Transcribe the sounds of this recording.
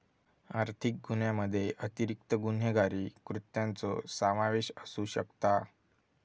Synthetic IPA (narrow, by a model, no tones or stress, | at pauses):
aɾt̪ʰik̚ɡun̤jaməd̪ʱːjeʔət̪iɾik̚t̪əɡun̤jəɡaɾiːkɾut̪jãnt͡so̰səmaʋeɕəsuɕə̰kt̪a